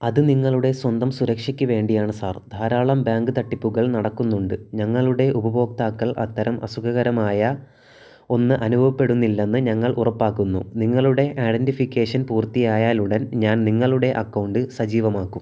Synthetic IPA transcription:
ɐðɨniŋːɐɭuɽe̞swɐnd̪ɐmsuɾɐkʂikʲːuʋe̞ːɳɖijaːɳɨsaːrd̪ʱaːɾaːɭɐmbjaːŋɡɨt̪ɐʈːipːuɣɐɭnɐɽɐkːunːuɳɖɨɲɐŋːɐɭuɽe̞ʔubɐbo̞ːk̚t̪aːkːɐɭʔɐ̰t̪ːɐɾɐmʔɐsukʰɐɣɐɾɐmaːjɐ | o̞nːɨʔɐnubʱɐʋɐpːe̞ɽunːilːe̞nːɨɲɐŋːɐɭʔurɐpːaːkːunːṵniŋːɐɭuɽe̞ʔajɖenʈifikʲːe̞ːʂɐnpuːrt̪ijaːjaːluɽenɲaːnniŋːɐɭuɽe̞ʔɐkːɐwɳɖɨsɐd͡ʑiːʋɐmaːkːum

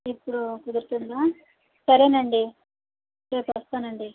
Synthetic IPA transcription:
ipːuɽukud̪uɾt̪und̪aː | sɐɾeːnɐɳɖi | ɾeːpɐst̪aːnɐɳɖi

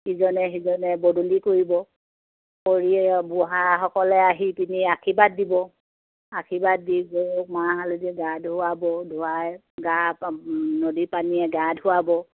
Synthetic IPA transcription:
hizɔnɛɦizɔnɛbodulikoɹibɔ | koɹiɛbuɦaɦɔkɔlɛaɦipiniakʰibat̚dibɔ | akʰibad̚dibomaɦaludɛɡadɦʊabɔdʱuwaj | ɡa | nodipaniɛɡadʱɦʊwabɔ

